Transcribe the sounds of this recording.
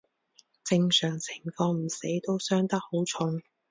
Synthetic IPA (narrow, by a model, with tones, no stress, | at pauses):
t͡sɪ˧ŋsœː˨˩ŋt͡sʰɪ˨˩ŋfɔː˧m̩˨˩se˨˥jt̪o˥wsœː˥ŋt̪ɐ˥k̚ho˨˥wt͡sʰʊ˧ŋ